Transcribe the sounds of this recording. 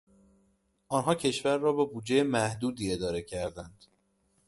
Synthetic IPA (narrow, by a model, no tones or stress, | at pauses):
ʔɒːnɦɒːcʰe̞ʃvæɾːɒːbebuːd͡ʒejemæhd̪uːd̪iːe̞d̪ɒːɾe̞cʰæɾd̪ænd̪̥